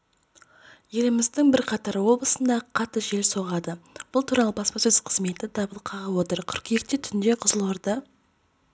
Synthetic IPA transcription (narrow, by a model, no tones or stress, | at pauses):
je̞lɪmɪzd̪ɪŋbɪɾqʰɑt̪ɑɾwo̞blˠəsənd̪ɑqʰɑt̪ːəʒe̞lso̞ʁɑd̪əb̥ʊlˠt̪ʰuɾɑlˠəbɑspɑsɵz̥qʰəzme̞t̪ɪd̪ɑbəlˠqʰɑʁəwo̞t̪əɾkʲʰʏɾkeɾt̪et̪ʰʏnd̪e̞qʰʊzəlˠəɾd̪ə